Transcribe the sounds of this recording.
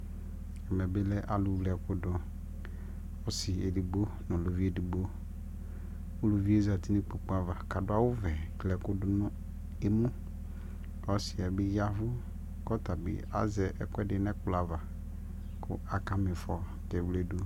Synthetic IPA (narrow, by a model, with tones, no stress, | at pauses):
ɛ˨mɛ˨bɪ˦lɛ˦ʔa˨lʊ˨wlɛ˨kʊ˦dʊ˦ | ɔ˦sɪ˨e˨di˨bo˦ | nʊ̃˨lo˨vi˦e˦di˨bo˦ | o˦lo˨vi˦e˦za˨ti˦ni˦k͡po˨k͡pu˦a˨va˨ka˨dʊ˦a˦wʊ˦vɛ˨klɛ˨kʊ˦dʊ˦nʊ̃˦ | e˦mũ˦ | ɔ˦sɪ˨ɛ˨bɪ˦ja˦vʊ˦ | kɔ˦ta˨bɪ̰˨a̰˦zɛ˨ʔɛ˨kɛ˦dɪ˨nɛ̃˦kʊ˨la˨va˨ | kʰʊ̰˦a˨ka˦mɪ̃˨fɔ˨ | kɛ˨vlɛ˦du˦